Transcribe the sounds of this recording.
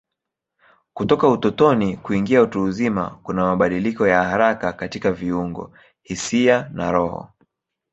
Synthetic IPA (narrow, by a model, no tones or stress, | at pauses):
kutɔkautɔtɔnikuiŋɡiautuːzima̰kunamaɓaɗilikɔjahaɾakakatikaviuŋɡɔ̰ | hisiana̰ɾɔhɔ̰